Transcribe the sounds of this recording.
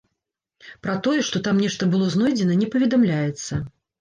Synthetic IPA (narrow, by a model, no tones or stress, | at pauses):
pɾɐt̪ɔjɛʂt̪ɔt̪amnʲɛʂt̪ɐbɨlˠɔznɔjd͡zʲɛnɐnʲɛpɐvʲɛd̪amlʲajɛt̪sːɐ